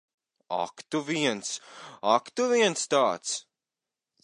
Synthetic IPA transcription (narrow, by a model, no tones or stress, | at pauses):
a̰kt̪uviɛnsakt̪uviɛnst̪aːt̪s